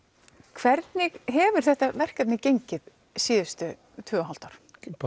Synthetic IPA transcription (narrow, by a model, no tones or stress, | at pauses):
kʰvɛɾt̪nɪɣɦɛvʏɾ̥θɛht̪avɛr̥kat̪nɪcejɲcɪð | siːðʏst̪ʏ | t̪ʰʏːɣaɦal̥t̪aɾ̥